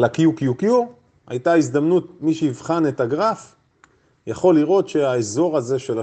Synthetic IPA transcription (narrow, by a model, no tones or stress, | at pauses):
lakjukjukju | a̰jtaizd̪amnutmiʃeivχane̞taɡʁaf | jaχo̞lːiʁo̞tʃe̞aezo̞ʁaze̞ʃe̞la